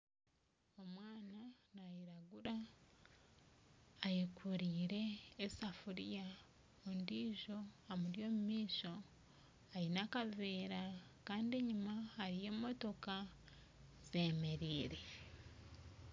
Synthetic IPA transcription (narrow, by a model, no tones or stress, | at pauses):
omwaːnanajiɾaɡuɾa | jekʰuɾiːɾe̞ːsafuɾija | ondiːʒo̞amuɾjo̞ːmumiːʃo̞ | ajinakaveːɾakaːndie̞ɲumahaɾije̞ːmo̞to̞ka | z̥e̞me̞ɾiːɾe̞